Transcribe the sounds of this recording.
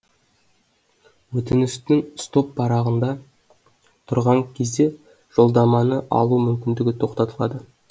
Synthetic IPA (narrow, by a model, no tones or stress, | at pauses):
wɵt̪ɪnɪst̪ɪŋst̪o̞pːɑɾɑʁənd̪ɑ | t̪ʰʊɾʁɑŋkʲʰe̞zd̪e̞ | ʒ̥o̞lˠd̪ɑmɑnəʔɑ̰lˠumʏmkʲɪnd̪ɪɡʲɪt̪ʰo̞qt̪ɑt̪əlˠɑd̪ə